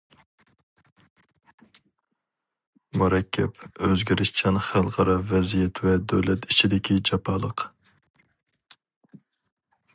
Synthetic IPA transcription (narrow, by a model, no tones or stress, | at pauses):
muɾɛkʲʰːɛpøzɡʲiɾɪʃt͡ʃʰɛnχælˠʁɑɾɑvɛzijɛt̪ʰvɛd̪øwlɛt̪it͡ʃʰid̪ɪkʲʰid͡ʒɑpʰɑːlˠəq